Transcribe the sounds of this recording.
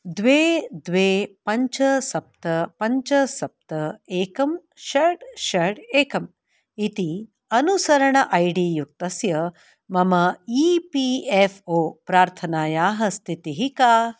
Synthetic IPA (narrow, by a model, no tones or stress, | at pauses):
d̪ʋeːd̪ʋeːpɐɲt͡ʃɐsɐp̚t̪ɐpɐɲt͡ʃɐsɐp̚t̪ɐeːkɐm | ʃɐɽʃɐɽeːkɐm | it̪i | ɐnusɐɾɐɳɐʔɐjɖijuk̚t̪ɐsjɐ | mɐmɐiːpiefoːpɾaːɾt̪ʰɐnaːjaːɦɐst̪ʰit̪iɦikaː